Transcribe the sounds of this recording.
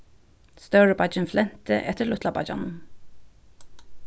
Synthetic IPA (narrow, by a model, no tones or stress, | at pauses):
st̪œɹəbɑd͡ʒənflɛnt̪ʰə̰ʔɛt̪əɭʊt̪ʰlɑbɑ̰d͡ʒɑ̰n